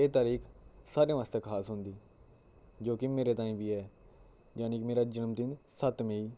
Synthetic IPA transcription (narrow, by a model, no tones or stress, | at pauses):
eːt̪aːɾiːkʰsaːɾij̃ãʋaːst̪eːkʰaːsɦʊnd̪iː | d͡ʒoːkɪmeːɾeːt̪ãːĩːbʱiːɛː | d͡ʒaːnikmeːɾaːd͡ʒənmt̪ɪnsət̪meiː